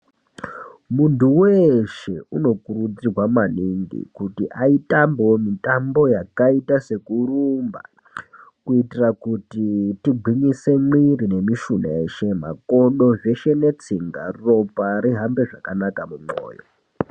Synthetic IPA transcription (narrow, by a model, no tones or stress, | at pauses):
muntuweʃe̞uno̞kurud͡zirwamaniŋɡḭkutiʔaitamboomitambo̞jakaitase̞kurumba̰ | kuitirakutitiɡʱiɲise̞mwirine̞miʃunaeʃe̞ma̰koɗo̞ʐe̞ʃe̞ne̞t͡siŋɡa̰ro̞paɾiɦambe̞ʐakanakamumo̰ːjo̰